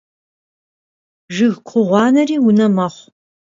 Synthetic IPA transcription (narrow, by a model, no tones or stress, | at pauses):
ʒɨɣkʷʰʊʁʷɑːnɐriːwʊnɐmɐχʷ